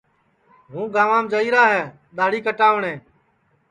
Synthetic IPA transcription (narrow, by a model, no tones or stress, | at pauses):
ɦũːɡaːʋãːmd͡ʒəiːɾaːɦɛː | ɗ̪aːɽiːkəʈaːʋɳẽː